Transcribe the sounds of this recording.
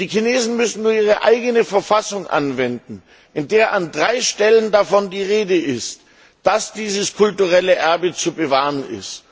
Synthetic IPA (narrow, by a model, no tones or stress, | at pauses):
d̥iːkineːzn̩mʏsn̩nuːɐʔiːʁ̞əʔa̰ɪɡənəfɛɐfasʊŋʔa̰nvɛndn̩ | ʔɪndeːɐʔandʁaɪʃtɛləndafɔndiːʁeːdəʔɪst | d̥asd̥iːzəskʰʊltuʁ̞ɛləʔɛɐbət͡subəvaːʁənɪ̰st